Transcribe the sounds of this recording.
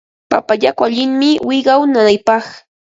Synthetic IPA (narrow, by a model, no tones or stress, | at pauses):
papajakʊaʎɪŋmɪwɪjɢɑwnanajpɑχ